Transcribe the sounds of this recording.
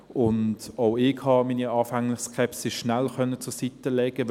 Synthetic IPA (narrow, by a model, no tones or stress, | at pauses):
ʊndoʊɪɡhɑmiːniɑːfæŋlɪχskʰɛpsɪʃnælkœnːət͡sʊɐsitəlɛɡ̥ə